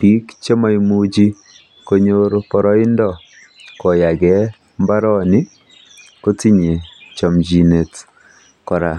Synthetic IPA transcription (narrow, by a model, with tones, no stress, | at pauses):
pi˦kt͡ʃe˦ma˦i˦mu˦d͡ʒi˦ | ko˦ɲo˦ɾpɔ˨ɾɔ˦ɪ˦ndɔ˦ | kɔ˨ja˨ɡɛ˨˦ | mba˦ɾɔ˦ni˦ | ko˦ti˦ɲe˨t͡ʃɔ˨md͡ʒi˨ne˨t | kɔ˨ɾa˨